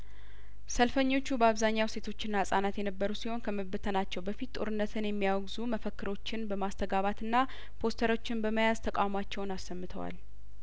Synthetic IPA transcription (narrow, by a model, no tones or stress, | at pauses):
səlfəɲːo̞t͡ʃːubəaβzaɲːawse̞t̪ʰo̞t͡ʃːɪnːasʼanat̪jɛnəbːəɾusiho̞nkʰəməbɨt̪ʰənat͡ʃːɛwbəfit̪t̪ʼo̞̰ɾɨnːət̪ʰɨnjɛmːijawɡzuməfəkːɨɾo̞t͡ʃːɪnbəmast̪ʰəɡaβat̪ɨnːa | pʰo̞st̪ʰəɾo̞t͡ʃːɪnbəməjazt̪ʰəkʼa̰wmat͡ʃːɛwnasːəmːɨt̪ʰə̰wa̰l